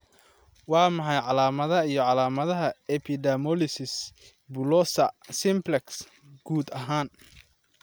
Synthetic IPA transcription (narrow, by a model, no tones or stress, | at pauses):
wɑːmɑħɑjʕɑlaːmɐðɐijɞʕɑlaːmɐðɐɦɐɛpʰɪd̪ɛmɔlɪsɪs | bʊlɔsɐsɪmplɛks | ɡ̥uːd̪ɐɦaːn